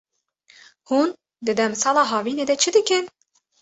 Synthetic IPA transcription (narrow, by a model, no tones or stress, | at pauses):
huːn | d̪ɨd̪ɛmsɑːlɑːɦɑːviːneːd̪ɛt͡ʃʰɨd̪ɨkɨn